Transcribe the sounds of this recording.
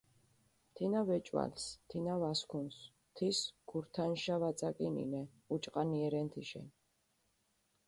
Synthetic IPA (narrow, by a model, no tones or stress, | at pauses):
mt̪ʰinavɛt͡ʃʼwa̰lst̪ʰinavaskʰuns | t̪ʰisɡ̥uɾt̪ʰanʃavat̪sʼakʼinḭnɛ | ut͡ʃʼqʼaniɛɾɛnt̪ʰiʃɛ̰n